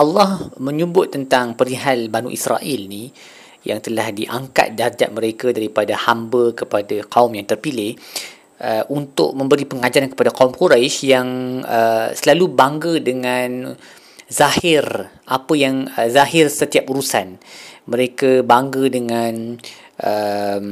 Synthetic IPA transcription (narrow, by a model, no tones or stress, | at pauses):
ʔalːɔhmə̃ɲəbʊt̪ːənt̪aŋpəɾiɦalbanṵʔisra̰ʔilni | ja̰ŋt̪əlahdiʔaŋka̰t̪̚dard͡ʒa̰ʔ̚məɾekadaɾipadahambəkəpadaqaumjaŋt̪ərpilɪh | ʔəʔunt̪ʊ̰ʔ̚mə̃mbəɾipəŋad͡ʒaankə̥padakaumkuɾajʃjaŋəsəlalubaŋɡədəŋan | zahɪr | ʔapəjaŋəzaɦɪrsət̪iapuɾusanmə̃ɾekabaŋɡədəŋãn | ʔəm